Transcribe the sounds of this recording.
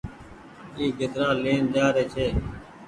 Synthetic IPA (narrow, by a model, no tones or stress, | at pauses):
iːɡʱɪt̪ɾãːleːnd̪aːɾeːt͡ʃʰeː